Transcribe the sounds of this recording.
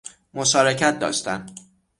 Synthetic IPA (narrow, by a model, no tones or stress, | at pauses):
moʃɒːɾe̞cʰæt̪̚d̪ɒ̰ːʃt̪æm